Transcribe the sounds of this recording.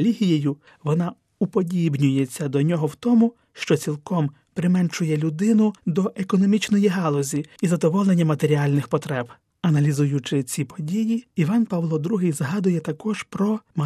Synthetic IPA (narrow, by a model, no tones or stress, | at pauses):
lʲiɦʲijejʊ | ʋɔnɑ | upɔdʲibnʲʊjet͡sʲːɐd̪ɔnʲɔɦɔwt̪ɔmʊ | ʃt͡ʃɔt͡sʲilˠkɔm | pɾɪmɛnt͡ʃʊjɛlʲʊd̪ɪnʊd̪ɔʔekɔnɔmʲit͡ʃnɔjiɦɑlˠɔzʲiizɐd̪ɔʋɔlˠenʲːɐmɐt̪eɾʲiɑlʲnɪxpɔt̪ɾɛb̥ | ɐnɐlʲizujʊt͡ʃɪt͡sʲipɔdʲijiiʋɑnpɐʋlˠɔd̪ɾuɦɪjzɦɑd̪ʊjɛt̪ɐkɔʒpɾɔmɐ